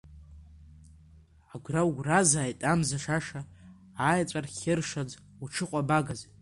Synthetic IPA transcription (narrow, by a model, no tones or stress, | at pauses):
aɡʷrawɡʷrazaːjtʼamzaʂaʂaː | jt͡sʷʼarχʲɪrʂad͡z | uʈ͡ʂʰɨqʷʼabaɡaz